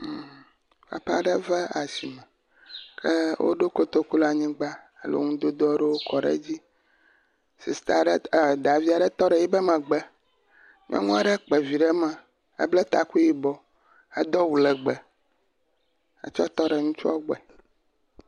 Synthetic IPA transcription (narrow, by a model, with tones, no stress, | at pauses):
pa̰˨pa̰˦˨ɖɛ˦vɛ˦a˨si˨mɛ̃˨ | kʰe˦wʔo̰˦ɖo˦ko˦t̪o˦ku˦la˨ɲĩ˦ɡ͡ba˦ | ḛ˨lo̰˨˦ŋũ˦d̪o˦d̪o˦ɖe˦wo˦kɔ˨ɖḛ˦d͡ʑi˦ | si˨st̪a˨ɖɛ˦˨d̪a˨vi˦a˨ɖɛ˦t̪ɔ˦ɖɛ˨ji˦bɛ˦mɛ̃˨ɡ͡bɛ˦ | mḭ̃˦ã̰˦ŋũ˦a˦ɖɛ˦k͡pɛ˨vi˨ɖɛ˦mɛ̃˨ | ḛ˦blɛ˦t̪a˨ku˦ji˦bɔ˨ | e˦d̪ɔ˦wu˨lɛ˨ɡ͡bɛ˨ | a̰˨t͡ʃɔ˦t̪ɔ˦ɖɛ˨ŋũ˦t͡ʃu˦ɔ˦ɡ͡bɛ˨